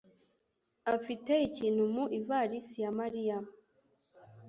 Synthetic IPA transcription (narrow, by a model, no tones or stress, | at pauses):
afite̞iciːnhumuʔivaɾisijamaɾijam